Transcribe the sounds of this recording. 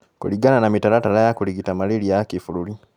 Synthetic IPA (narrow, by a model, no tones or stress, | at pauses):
kṵliɡananamitalatalajakuliɡitamaleliakifululi